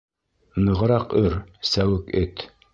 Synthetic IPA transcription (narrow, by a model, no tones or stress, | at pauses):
nɤ̆ʁ̆ɾɑqɵɾsæwɘkɘt̪